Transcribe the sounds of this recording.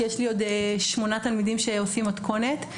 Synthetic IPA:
jeʃlio̞d̪eʃmo̞nat̪almidimʃeosimat̪kʰo̞ne̞t̪

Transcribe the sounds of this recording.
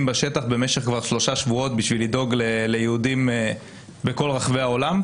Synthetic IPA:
mbaʃe̞t̪aχbe̞me̞ʃeχkvaʁʃlo̞ʃaʃvuo̞t̪̚biʃvilido̞ɡlele̞jeudime | beko̞lʁaχveao̞lam

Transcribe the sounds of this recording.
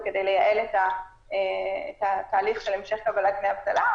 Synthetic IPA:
kedejlejaʔelet̪a | eet̪at̪aːliχʃelemʃe̞χkabalatmeabt̪ala

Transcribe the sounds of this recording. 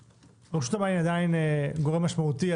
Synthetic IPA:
ʁuʃu̥t̪amainad̪aineɡoʁemːaʃmaut̪ia

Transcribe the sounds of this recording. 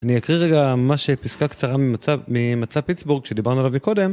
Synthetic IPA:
anijakʁiʁeɡamaʃepiskakt͡saʁamiamimat͡sapitsbuʁɡʃe̞d̪ibaʁnualavmiko̞de̞m

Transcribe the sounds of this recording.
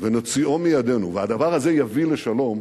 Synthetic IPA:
veno̞t͡sio̞mijad̪e̞nuvead̪avaʁaze̞javile̞ʃalo̞m

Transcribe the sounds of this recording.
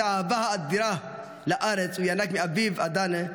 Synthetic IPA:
ʕavahaːt̪̚diɾa | laʔaɾet͡sujanakmeavivad̪ane

